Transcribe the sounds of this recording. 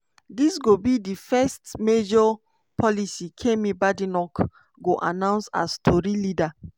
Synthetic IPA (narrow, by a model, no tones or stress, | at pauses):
disɡobidifɛstmed͡ʒɔ | pʰɔlisikʰẽmĩbadinɔk | ɡoʔa̰nãʊ̃nsa̰stʰɔɹilida